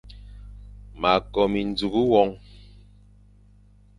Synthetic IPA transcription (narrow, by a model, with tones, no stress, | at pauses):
ma˨kɔ˨mi˨n˦d͡zu˨ɡu˦wɔ˦ŋ